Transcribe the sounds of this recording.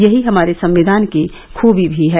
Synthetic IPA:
jɐɦiɦɐmaːɾesɐ̃mʋɪd̪ʱaːnke | kʰuːbʱibʱiɦɛː

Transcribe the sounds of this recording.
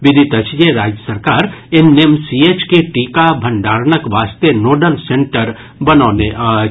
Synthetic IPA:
ʋɪd̪ʱit̪ət͡ʃʰjeɾaːd͡ʒjəsəɾkaːɾenemsiːeːt͡ʃkeʈiːkabʱɐ̃ɳɖaːɾnəkʋaːst̪enoːɖəlsẽɳʈəɾ | bɐnoːne

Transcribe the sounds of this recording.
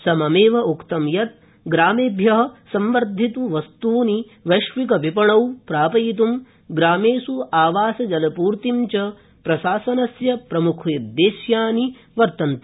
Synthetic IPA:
sɐmɐmeːʋɐʔukt̪ɐmjɐt̪̚ | ɡɾaːmeːbʱjɐɦɐ̆sɐmʋɐɾd̪ʱit̪uʋɐst̪uːni | ʋɐʃʋikɐʋipɐɳɐwpɾaːpɐjit̪̬um | ɡɾaːmeːsuaːʋaːsɐd͡ʒɐlɐpuːɾt̪imt͡ʃɐ | pɾɐʃaːsɐnɐsjɐpɾɐmukʰjɐd̪ːeːsjaːni | ʋɐɾt̪ɐnt̪

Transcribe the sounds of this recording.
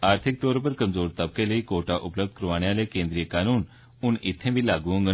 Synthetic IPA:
aɾt̪ʰik̚t̪oɾpəɾkəmd͡zoɾt̪əp̚keleikoʈaʔupləb̚d̪̚kɾuʋaɳjalekẽnd̪ɾijəkanuːn | uːnit̪ʰːẽbʱilaɡũːŋɡə

